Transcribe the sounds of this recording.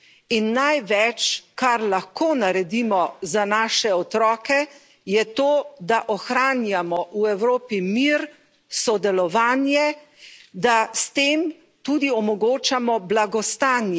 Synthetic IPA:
inːajʋɛt͡ʃkaɾlaxkoːnaɾɛd̪iːmɔzanaːʃɛɔt̪ɾɔːkɛ | jɛt̪oːd̪aʔɔxɾaːnjamɔʔuɛwɾoːpimiɾ | sɔd̪ɛlɔʋaːnjɛ | d̪ast̪eːm | t̪uːd̪iɔmɔɡoːt͡ʃamɔblaɡɔst̪aːnjɛ

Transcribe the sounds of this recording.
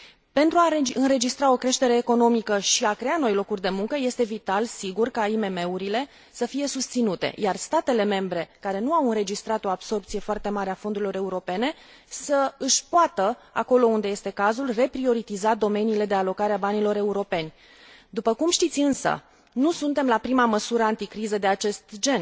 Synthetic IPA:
pe̞nt̪ɾuaeɨnɾe̞d͡ʒist̪ɾao̞kɾe̞ʃt̪e̞ɾe̞ːko̞no̞mikəʃiakɾe̞ano̞jlo̞kurʲd̪e̞muŋkəje̞st̪e̞vit̪alsiɡurkaime̞me̞uɾile̞ | səfije̞sust̪sinut̪ḛjarst̪at̪e̞le̞me̞mbɾe̞kaɾe̞nuawɨnre̞d͡ʒist̪ɾat̪o̞abso̞rpt̪sije̞foart̪e̞maɾeafo̞nd̪uɾilo̞ɾe̞uɾo̞pe̞ne̞ | səɨʃʲpoat̪əa̰ko̞lo̞und̪eje̞st̪e̞kazulre̞pɾio̞ɾit̪izad̪o̞me̞niːle̞d̪e̞alo̞kaɾeabanilo̞ɾe̞uɾo̞pe̞nʲ | d̪upəkumʃt̪it̪sʲɨnsə̰ | nusun̪t̪e̞mlapɾimaməsuɾəant̪ikɾizəd̪e̞at͡ʃe̞st̪d͡ʒe̞n

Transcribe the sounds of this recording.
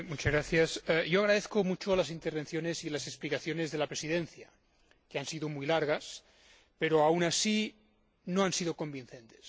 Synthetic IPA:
mut͡ʃazɣɾaθjasjoaɣ̞ɾaðeθkomut͡ʃolas̬int̪eɾβ̞enθjonesilaseksplikaθjonezðe̞lapɾesiðẽnθja̰ | keansiðomujlaɾɣ̞as | peɾoawnasi | noansiðoko̞mbinθent̪e̥s

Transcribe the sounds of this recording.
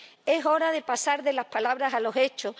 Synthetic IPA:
e̞so̞ɾaðe̞pasaɾðe̞lahpalaβɾasalo̞se̞t͡ʃo

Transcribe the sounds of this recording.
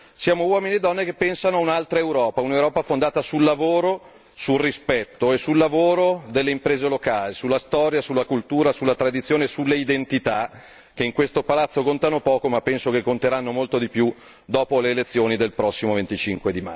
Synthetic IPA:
sjaːmowɔːminied̪ːɔnːekepːɛnsanoaunalt̪ɾaewɾɔːpaunewɾɔːpafond̪aːt̪asulːavoːɾo | sulrispɛt̪ːoesulːavoːɾod̪elːeimpɾeːzelokaːlisulːast̪ɔɾjasulːakult̪uːɾasulːat̪ɾad̪it̪sjoːnesulːeid̪ent̪it̪a | k̟eiŋkwest̪opalat̪sːokont̪anopɔːkomapːɛnsokekːont̪eɾanːomolt̪od̪ipju | d̪ɔːpoleːlet̪sːjoːnid̪elpɾɔsːimovent̪it͡ʃiŋkwed̪ima̰

